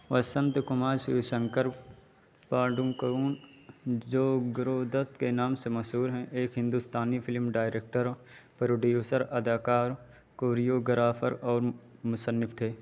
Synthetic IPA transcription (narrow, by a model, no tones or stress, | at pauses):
ʋɐsə̃nt̪kʊmaːɾsɪʋsə̃ŋkəɾp | paːɖũkəɾuːn | d͡ʒoːɡɾoːd̪ət̪kenaːmsemɐsuːɾɦɛ̃ʔeːkɦɪ̃nd̪ust̪aːnipʰɪlmɖaːɪɾeːk̚ʈəɾpɐɾoɖijoːsəɾɐd̪aːkaːɾ | koːɾijoːɡəɾaːfʰəɾɔːɾmʊsənːɪft̪ʰeː